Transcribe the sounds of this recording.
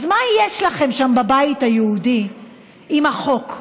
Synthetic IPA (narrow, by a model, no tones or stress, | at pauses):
zmajeʃlaχe̞mʃambabaithajeudi | imaχo̞k